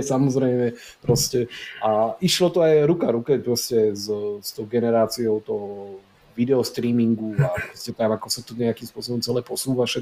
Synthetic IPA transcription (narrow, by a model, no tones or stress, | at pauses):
samɔzɾɛɪmɛ | pɾɔscɛʔaiʃlɔt̪ɔajɾukaɾukɛpɾɔscɛzst̪ɔʊɡɛnɛɾaːt͡siɔʊt̪ɔɦɔ | ʋid̪ɛɔst̪ɾiːmiŋɡuapɾɔscɛt̪amakɔsat̪ɔɲɛakimspʊɔs̬ɔbɔmt͡sɛlɛːpɔsuːʋaʃɛ